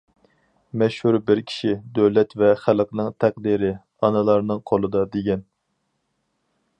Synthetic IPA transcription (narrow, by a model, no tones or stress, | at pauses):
mɛʃhuɾbɪɾkʲʰi̥ʃid̪øwlɛt̪vɛχælqnɨŋt̪ʰæq̚d̪iɾɪ | ɑnɨlˠɑɾnɨŋqʰolˠɨd̪ɑd̪eɡʲɛn